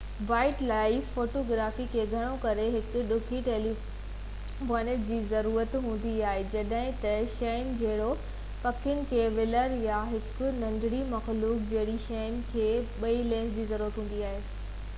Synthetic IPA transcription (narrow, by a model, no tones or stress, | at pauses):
ʋaːɪʈlaːɪfoːʈoːɡɾaːfikʰeːɡʱɐɽ̃okɐɾeɦɪkʊ̆ɗʊkʰiʈeːli | moːnəʈd͡ʑiːzɐɾuːɾət̪ɦũːn̆d̪iaːɦed͡ʑɐɗɦɪ̃t̪ɐʃɐjnd͡ʑɐɦɪɽo | pɐkʰjʊnɪ̆kʰeːʋɪləɾjaɦɪkʊnɐ̃ɲdɽimɐxluːk̚d͡ʑɐɦɪɽiʃɐjən̆kʰeːɓɐilẽːnd͡ʑiːzɐɾuːɾət̪ɦũːn̆d̪iaːɦeː